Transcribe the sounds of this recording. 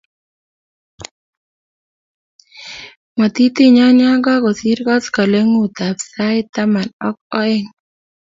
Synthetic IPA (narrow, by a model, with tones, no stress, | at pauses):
ma˨t̪i˦t̪i˦ɲɔ˦ɲa˦ɡɔ˦ɡɔ˨si˦ɾkɔ˦skɔ˨le˦ŋu˦˨t̪a˨psa˦ɪ˦t̪a˦ma˨nɔ˦k̚ɔ˦ɪ˦ŋ